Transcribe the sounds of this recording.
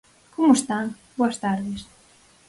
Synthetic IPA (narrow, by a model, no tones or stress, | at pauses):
kʰomost̪anbuast̪aɾðes